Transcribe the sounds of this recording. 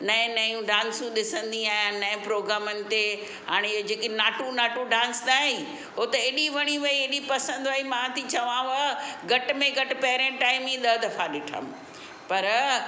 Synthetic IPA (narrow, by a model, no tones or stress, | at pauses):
nɐɪ̃nɐjũɖãːnsũɗɪsə̃nd̪iaːjãnɐ̃ɪ̃pɾoːɡɾaːmənɪ̆t̪e | ɦa̰ːɽ̃eod͡ʑeːkinaːʈũnaːʈũɖãːnsd̪aːĩ | ɦot̪ɐeːɗiʋɐɽ̃iʋɐieɗipɐsə̃nd̪ʋɐimãt̪ʰit͡ɕɐʋãʋɐɡɐʈmẽɡɐʈɪpɐɦɾẽʈaːɪmĩɗɐd̪ɐfaɗɪʈʰə̰m | pɐɾ